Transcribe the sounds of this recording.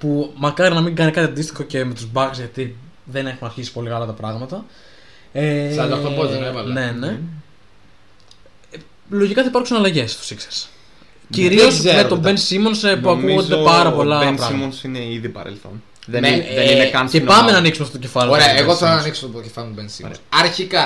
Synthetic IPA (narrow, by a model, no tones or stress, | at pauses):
pumɐkɐɾinɐmĩŋɡɐnikɐt̪iɐnd̪ist̪i̥xo̞ce̞me̞t̪uzbɐksʝɐt̪i | ðene̞xunɐɾçisi̥po̞likɐlɐt̪ɐpɾɐɣmɐt̪ɐ | eɐɐooeevɐlnne̞ne̞ | lo̞ʝikɐθɐipɐɾksunɐlɐʝe̞st̪o̥sikseɾs | ciɾiosmet̪obensimonsepuɐkuuɣondd̪epɐɾɐpo̞lɐenpɾimonsineiðipɐ̰ɾḛlθo̰n | ðeneninekɐnscepɐmenɐːniksumɐft̪ot̪c̬efɐlioɾeɐeɣoθeɾɐnɐnikso̥fotocefɐlint̪ubensḭɐɾçikɐ